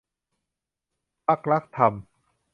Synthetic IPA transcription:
pa˦˥˩k̚ɾa˦˥k̚t̪ʰa˧m

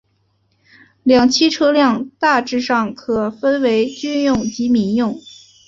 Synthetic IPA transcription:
ljɑ˨˩ŋt͡ɕʰi˥ʈ͡ʂʰɤ˥ljɑ˥˧ŋt̪a˥˧ʈ͡ʂɻ̩˥˧ʂɑ˥˩ŋkʰɤ˨˩fə˥nwe˧˥ɪt͡ɕy˥njʊ˥˩ŋt͡ɕi˧˥mi˧˥njʊ˥˩ŋ

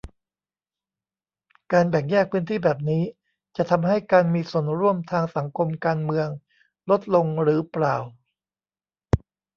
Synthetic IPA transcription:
kaː˧nbɛ˨˩ŋjɛː˥˩k̚pʰɯː˦˥nt̪ʰiː˥˩bɛː˨˩p̚niː˦˥ | t͡ɕa˨˩t̪ʰa˧mɦa˥˩jkaː˧nmiː˧su˨˩ənɾu˧˩əmt̪ʰaː˧ŋsa˩˦ŋkʰo˧mkaː˧nmɯ˧əŋ | lo˦˥t̪̚lo˧ŋɾɯː˩˦plaː˨˩w

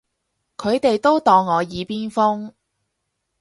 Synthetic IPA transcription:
kʰɵ˨˧ɥt̪e˨jt̪o˥wt̪ɔː˧ŋːɔː˨˧jiː˨˧piː˥nfʊ˥ŋ

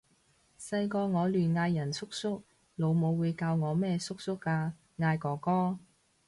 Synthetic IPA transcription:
sɐ˧jkɔː˧ŋɔː˨˧lyː˨˩nŋaː˧jːɐ˨˩nsʰʊ˥k̚sʊ˥k̚ | lo˨˧wmo˨˧wːuː˨˧jkaː˧wŋɔː˨˧mɛː˥sʊ˥k̚sʊ˥kːaː˧ | ŋaː˧jkɔː˨˧kɔː˥

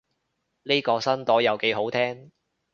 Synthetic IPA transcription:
ne˥kɔː˧sɐ˥nt̪ɔː˨˥jɐ˨wke˨˧˥jɦo˨˥wt̪ʰɛː˥ŋ

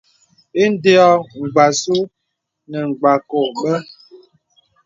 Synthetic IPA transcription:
e˦n̩˦de˦ɔ˦ŋ̩˨ɡ͡ba˨su˦ | nə˨ŋ͡mɡ͡ba˨ko˨ɓə˦

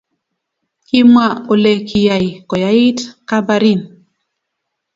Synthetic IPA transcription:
ki˦mwa˦˨o˨lɛ˨kʰi˨ja˨jkɔ˨ja˨˦i˦tka˦ba˦ɾi˦˨n

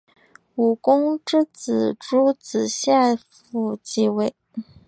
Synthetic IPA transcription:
u˨˩kʊ˥ŋʈ͡ʂɻ̩˥t͡sɹ̩˨˩ʈ͡ʂu˥t͡sɹ̩˨˩ɕja˥˧ | fu˥˧˩t͡ɕi˥˧we˥˩ɪ

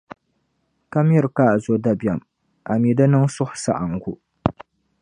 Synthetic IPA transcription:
ka˦mjɛ˦ɾkaː˦˨ʔzo˦da˦ba˨m | ʔa˨mi˨dɨ˦nɨ˦ŋsʊ˦hʊ̥˨sa̰˦ʔa˨ŋ˨ɡu˦

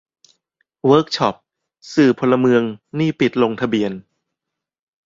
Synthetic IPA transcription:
wɤː˦˥k̚t͡ɕʰɔ˦˩p̚ | sɯː˨˩pʰo˧lːa˧mɯ˧əŋniː˥˩pi˨˩t̪̚lo˧ŋt̪ʰa˧bi˧ən

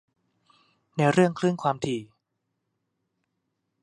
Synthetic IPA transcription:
na˧jɾɯ˥˩əŋkʰlɯ˥˩nkʰwaː˧mt̪ʰiː˧˩

